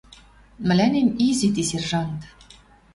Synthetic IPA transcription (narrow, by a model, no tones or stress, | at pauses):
mɘ̆lʲænemizit̪iserʒɑnt̪